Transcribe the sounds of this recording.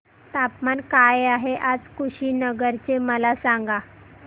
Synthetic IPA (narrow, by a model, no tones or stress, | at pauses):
t̪apmankajaɦeʔad͡zkʰuɕiːnəɡəɾt͡seməlasaŋɡa